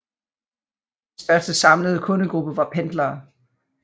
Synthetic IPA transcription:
d̥sd̥ɶɐsd̥əsɑ̈mləð̞̩ˠəkʰɔ̽nəɡ̥ʁub̥əʋɑ̈pʰend̥lɐː

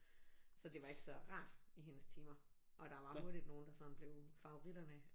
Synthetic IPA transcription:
sɒ̽d̥e̝ʋɑ̈e̝ɡ̥sɒ̽ʁɑ̰̈ːd̥iɦe̝nəst͡sʰiːmɐ | ʔɒ̽d̥ɑ̈ʋɑ̈ho̝ɐd̥id̥no̝ːn̩d̥ɑ̈sɒ̽n̰b̥le̝ʊfɑ̈o̝ʁid̥ɐnə

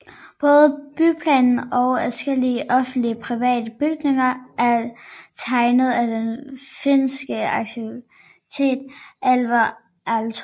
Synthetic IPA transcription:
b̥ɔ̽ːð̞ˠəb̥ypʰlɛːnn̩ɒ̽ʊæsɡ̥el̰iəʔɒ̽fn̩d̥liəpʰʁiʋɛ̰ːd̥əb̥yɡ̥ne̝ŋɐʔæɐt͡sʰɑ̈ɪnəð̞̩ˠæd̥enfensɡ̥əɑ̈ɡ̥̚t͡sʰi | t͡sʰe̝̰ːd̥ʔælʋɐ | æls

